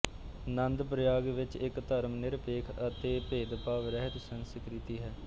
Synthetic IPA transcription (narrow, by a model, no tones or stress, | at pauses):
nənd̪pɾəjaːɡʋɪt͡ʃɪkt̪əɾmnɪɾpeːkʰət̪eːpeːd̪paːʋɾɛɦət̪sənskɾɪt̪iːɦɛː